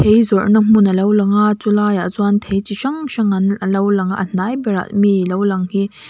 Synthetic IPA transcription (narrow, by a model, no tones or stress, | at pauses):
tʰejzɔnɐm̥unɐlɐwlɐŋat͡sulajaʔzwant̪ʰejt͡ʃiʃɐŋʃɐŋɐnəlɐwlɐŋaʔən̥ajbɛɾa̰ʔmilowlɐŋhi